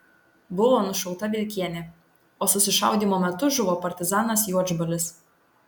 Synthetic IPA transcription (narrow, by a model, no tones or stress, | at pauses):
bʊʋoːnʊʃɐʊt̪ɐbʲɪlʲkʲiɛnʲɛ | oːsʊsʲɪʃɑʊd̪ʲiːmoːmʲɛt̪ʊʒʊʋoːpɐɾʲt̪ʲɪzɑːnɐsjuɔd͡ʒbɐlʲɪs